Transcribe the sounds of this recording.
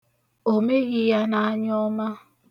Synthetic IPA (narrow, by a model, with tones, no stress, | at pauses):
o˨me˦ɣɪ˦ja˦na˦a˦ɲɔ˦ma˦